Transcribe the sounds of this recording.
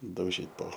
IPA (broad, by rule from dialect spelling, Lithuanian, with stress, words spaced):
dɐʊˈʒʲiːt poː